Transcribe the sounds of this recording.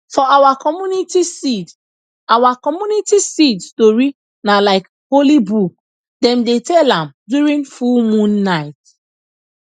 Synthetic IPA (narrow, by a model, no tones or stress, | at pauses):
fɔʔawakɔmjunitisid | awakɔmjunitisidstoɹi | nalaɪk | holibuk̚ | dɛ̃mdetɛlãmdjuɹĩnfulmũnːaɪt